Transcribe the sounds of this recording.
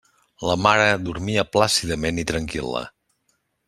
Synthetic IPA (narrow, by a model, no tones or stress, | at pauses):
ləmaɾəd̪uɾmiəplasiðəmenit̪ɾəŋkḭlˠə̰